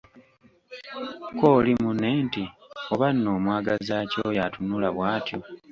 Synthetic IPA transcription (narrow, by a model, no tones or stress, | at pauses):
koːlimunentioβanːo̞ːmwaːɡazaːcojatunulaβwaːtjo